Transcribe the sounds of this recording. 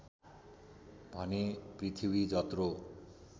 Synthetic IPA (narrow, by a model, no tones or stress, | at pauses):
bʱɔnepɾit̪ʰibid͡ʒɔt̪ɾo